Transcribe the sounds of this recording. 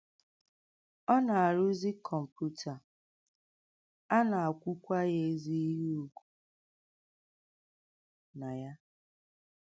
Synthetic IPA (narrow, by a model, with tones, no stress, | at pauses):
ɔ˦na˨a˨ɾu˦zi˦kʰɔ˨m̩˨pju˦tʰa˨ | a˦na˨a˨kʷu˦kʷa˦je˦zi˦i˦ɦi˦u˨kʷu̥˨ | na˨ja˦